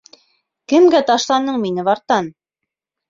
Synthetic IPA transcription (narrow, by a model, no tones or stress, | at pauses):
kɘ̆mɡæt̪ɑʃlˠɑnɤɴminɘβɑɾt̪ɑn